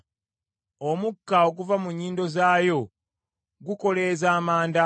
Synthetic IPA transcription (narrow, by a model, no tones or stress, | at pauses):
o̞mukːao̞ɡuvamuɲːiːndo̞zaːjo̞ | ɡuko̞le̞ːzaːmaːnda